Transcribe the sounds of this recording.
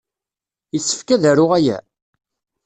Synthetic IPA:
jəsːə̥fkæðæɾʊʁæjæ̰

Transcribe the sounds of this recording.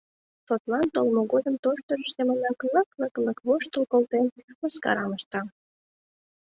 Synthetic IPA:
ʃot̪lɑnt̪olmoɣod̪əmt̪oʃt̪ørəʃsemənɑkləkləkləkβoʃt̪əlkolt̪enməskɑ̰ɾɑməʃt̪ɑ

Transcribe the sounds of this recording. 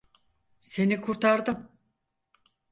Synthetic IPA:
se̞nikʰuɾt̪ʰaɾd̪ɯm

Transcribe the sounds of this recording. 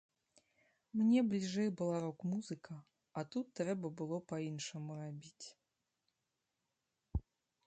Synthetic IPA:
mnʲɛblʲiʐɛjbɨlˠaɾɔkmuzɨkʰɐ | ɐt̪ut̪ːɾɛbɐbɨlˠɔpainʂɐmurabʲit͡sʲ

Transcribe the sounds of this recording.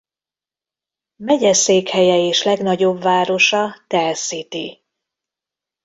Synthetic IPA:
mɛɟɛseːkhɛjɛeːʃlɛɡnɒɟo̞bvaːɾo̞ʃɒt̪ɛlsit̪i

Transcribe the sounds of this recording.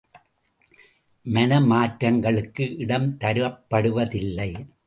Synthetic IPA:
mɐnɐmaːʈɾɐŋɡɐɭɯkːɯʔɪɽɐmt̪ɐɾɯʋɐpːɐɽɯʋɐðɪlːɐɪ

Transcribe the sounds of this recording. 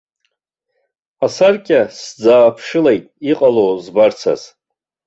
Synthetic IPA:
asarkʲʼasd͡zaːpʰʂɨlejtʼiqʼalozbart͡sʰa̰z̥

